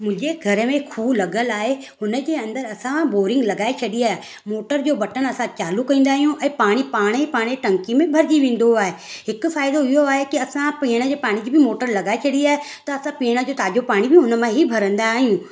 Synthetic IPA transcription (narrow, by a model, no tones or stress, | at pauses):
mʊ̃d͡ʑeɡʱɐɾəmẽkʰuːlɐɡəlaːɦeɦʊnəd͡ʑeːɐ̃nd̪əɾɐsãboːɾɪ̃ŋɡlɐɡaːet͡ɕʰɐɗiaːɦe | moːʈəɾd͡ʑoːbɐʈənɐsãt͡ɕaːlukɐĩːnd̪aːɦijũʔɛ̃ːpaːɽ̃ipaːɽ̃eipaːɽ̃eʈɐ̃ŋkimẽbʱɐɾd͡ʑiʋẽːn̆d̪oaːɦe | ɦɪkʊfaːɪd̪oɪɦoaːɦekiɐsãpĩːɽ̃əd͡ʑeːpaːɽ̃id͡ʑiːbʱɪmoːʈəɾlɐɡaːet͡ʃʰɐɗiaːɦe | t̪ɐɐsãpiːɽ̃ad͡ʑoːt̪aːd͡ʒopaːɽ̃ibʱɪɦʊnəmãɦibʱɐɾə̃nd̪aɦijũː